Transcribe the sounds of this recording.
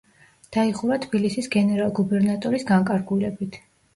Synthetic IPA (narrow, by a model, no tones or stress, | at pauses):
d̪̥aiʁuvat̪ʰbilisisɡɛnɛɾalˠɡubɛɾnat̪ʼɔɾisɡaŋkʼaɾɡulɛbit̪ʰ